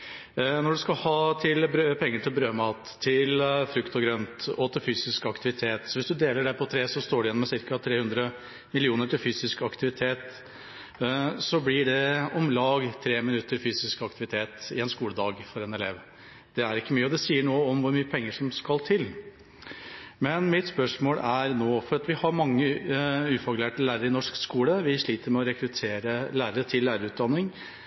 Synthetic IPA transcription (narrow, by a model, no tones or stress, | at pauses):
nɔɖʉskɑlhɑːt̪ʰɪlbɾøːpʰɛŋːəʈʰɪlbɾøːmɑːt̪ʰːɪlfɾʉkt̪ɔɡɾœnt̪ɔt̪ʰɪlfyːsɪskɑkt̪ɪʋɪt̪ʰeːt̪sɔʋɪsd̪ʉd̪eːləɖæɪpʰɔt̪ʰɾeːsɔst̪oːɖɪjɛnːɔmɛsɪɾkɑt̪ʰɾeːhʉnd̪ɾə | mɪlɪuːnəʈɪlfyːsɪskɑkt̪ɪʋɪt̪ʰeːt̪ | sɔblɪɖɛɔmlɑːɡt̪ʰɾeːmɪnʉt̪ːəɾfyːsɪskɑkt̪ɪʋɪt̪ʰeːt̪ɪɛnskuːləd̪ɑːɡfɔɾɛnɛleʋ | d̪̥ɛæɾɪkːəmyːəɔd̪ɛsiːəɳoːəɔmʋʊɾmyːəpʰɛŋːəʂɔmskɑlt̪ʰɪl | mɛnmɪt̪spœʂmoːlæɾnoːfɔɾɑt̪ʋɪhɑɾmɑŋːəʉːfɔkleːʈəlæːɾəɾəɪnɔʂkskuːləʋɪʂɭiːt̪əɾmɛɔɾɛkɾʉt̪ʰeːɾəlæːɾəɾət̪ʰɪlːæːɾəɾʉːt̪̚d̪ɑnːɪŋ